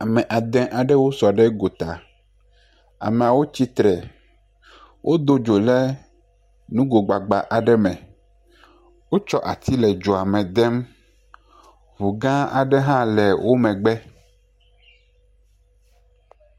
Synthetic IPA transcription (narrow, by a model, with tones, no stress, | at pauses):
a˨mɛ̃˨ʔa˨d̪ɛ̃˨ʔa˨ɖɛ˦wo˦sɔ˨ɖɛ˦ɡo˨t̪a˨ | a̰˨mɛ̃˨a˨wo˦t͡ɕi˦t̪ɾɛ˨ | wʔo˦d̪o˦d͡ʒo˨lɛ˦ | nũ˦ɡo˨ɡ͡ba˨ɡ͡ba˨ʔa˨ɖɛ˦mɛ̃˨ | wo˦t͡ʃɔ˦ʔa̰˨t̪ʰi˦lɛ˨d͡ʒo˨a˨mɛ̃˨d̪ɛ˦m | vu˨ɡã˦a̰˨ɖɛ˦ɦã˦lɛ˨wʔo˦mɛ̃˨ɡ͡bɛ˦